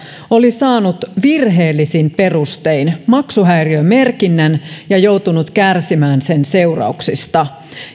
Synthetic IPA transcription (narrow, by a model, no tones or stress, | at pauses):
olisɑːnut̪ʋirɦeːlːisimpe̞rust̪einmɑksuɦæjriøme̞rkinːænjɑjo̞ut̪unut̪kærsimæːnsense̞urɑ̰uksist̪ɑ